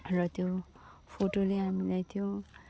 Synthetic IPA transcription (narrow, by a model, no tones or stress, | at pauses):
rʌt̪jo | pʰoʈoleɦamilajt̪ʰijõ